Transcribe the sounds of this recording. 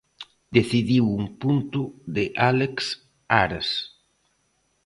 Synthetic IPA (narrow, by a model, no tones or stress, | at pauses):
d̪̥eθiðiwuŋpunt̪uðeʔaleks | aɾas